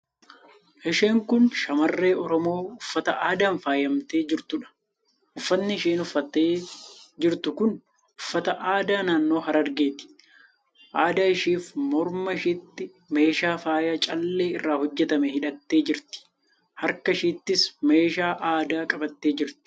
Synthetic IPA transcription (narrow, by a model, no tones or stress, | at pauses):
ʔɪʃeːŋkʊnʃɐmɐrːe̞ːɔɾɔmo̞ːʊfːɐt̪ɐʔaːd̪aːnfaːjɐmt̪eːd͡ʒɪɾt̪ʊᶑɐ̥ | ʔʊfːɐnːɪɪʃiːnʊfːɐt̪ːeːd͡ʒɪɾt̪ʊkʊn | ʊfːɐt̪ɐʔaːd̪aːnaːnːo̞ːɦɐɾɐɾɡeːt̪ɪ̥ | ʔaːd̪aːɪʃiːfmɔɾmɐʃit̪ːɪ | me̞ːʃaːfaːjɐt͡ʃʼɐlːe̞ːɪrːaːhɔd͡ʒːɛt̪ɐmɛhɪᶑɐt̪ːe̞ːd͡ʒɪɾt̪ɪ̥ | hɐɾkɐʃiːt̪ːɪsme̞ːʃaːʔaːd̪aːkʼɐbɐt̪ːe̞ːd͡ʒɪɾt̪ɪ̥